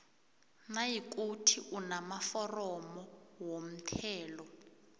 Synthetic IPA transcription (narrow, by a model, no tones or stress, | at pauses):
najik̬utʰiʔunamafɔrɔmɔwom̩tʰɛːlɔ